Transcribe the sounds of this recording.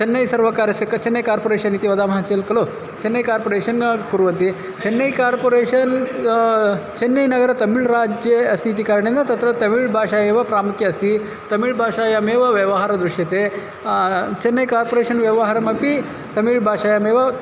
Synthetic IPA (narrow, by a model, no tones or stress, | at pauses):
t͡ʃɐnːɐjsɐɾʋɐkaːɾjɐsɐkɐt͡ʃɐnːɐjkaːɾpoːɾeːʂɐnit̪iʋɐd̪aːmɦat͡ʃeːlkɐlo | t͡ʃenːɐjkaːɾpoːɾeːʂɐnkuɾʋɐnt̪i | t͡ʃɐnːɐjkaːɾpoːɾeːʃɐn | t͡ʃɐnːɐjnɐɡɐɾɐt̪ɐmiɭɾaːd͡ʒjeɐst̪ʰit̪ikaːɾɳend̪ɐt̪ɐt̪ɾɐt̪ɐmiɭbʱaːʂaːjeːʋɐpɾaːmukjɐːst̪i | t̪ɐmiɭbʱaːʂaːjɐmeːʋɐʋjɐʋɐɦaːɾɐd̪ɾuʂjɐt̪e | t͡ʃɐnːɐjkaːɾpoːɾeːʂɐnʋjɐʋɐɦaːɾɐmɐpi | t̪ɐmiɭbʱaːʂaːjɐmeːʋɐ